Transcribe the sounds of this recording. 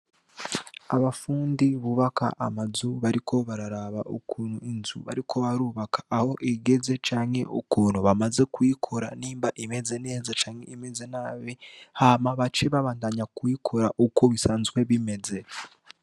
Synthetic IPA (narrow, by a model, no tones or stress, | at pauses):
aβafuːndiβuβaka̰ʔamazuβaɾikʰo̞βaɾaɾaβaʔṵkʰuːnhuinzṵβa̰ɾikʰo̞βaɾuːβakḁːho̞ʔiɡe̞ze̞t͡ʃaːɲhe̞ʔukuːn̤uβamaze̞kuikʰoɾa̰niːmbaʔime̞ze̞ne̞ːzat͡ʃaːŋhe̞̰ime̞zenaːβehamaβat͡ʃe̞βaβaːndaɲakuikʰoɾaʔuko̞βisaːnzɡwe̞βime̞ze̞